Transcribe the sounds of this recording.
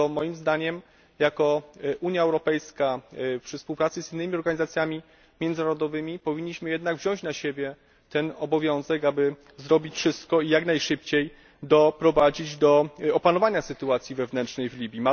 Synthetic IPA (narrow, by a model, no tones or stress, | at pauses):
ɔmɔjimzd̪aɲɛm | jakɔʔuɲjaɛwɾɔpɛjskapʂɘfspuwpɾat̪sɘzinːɘmʲiɔɾɡaɲizat̪sʲjamʲi | mʲjɛnd̪naɾɔd̪ɔvɘmʲipɔvʲiɲːiɕmɘjɛd̪naɡvʑɔ̃w̃ɕt͡ɕnaɕebʲjɛ | t̪ɛnɔbɔvʲjɔ̃w̃zɛkabɘ | zɾɔbʲit͡ɕfʂɘst̪̚kɔijaknajʂɘpt͡ɕej | d̪ɔpɾɔvad͡ʑid͡ʑd̪ɔɔpanɔvaɲasɘt̪uat̪sʲjivɛvnɛntʂnɛjvlʲibʲjima